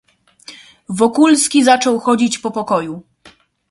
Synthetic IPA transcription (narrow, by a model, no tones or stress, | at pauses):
vɔkulskʲizat͡ʂɔwxɔd͡ʑit͡ɕpɔpɔkɔju